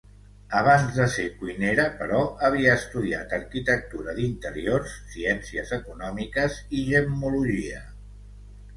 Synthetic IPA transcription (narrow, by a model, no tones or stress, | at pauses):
əβ̞anzðəsekuineɾəpəɾɔəβ̞iəːst̪uðia̰t̪əɾkit̪ək̚t̪uɾəðint̪əɾiorsːiɛnsiəzəkunɔmikəziʒəmuluʒiə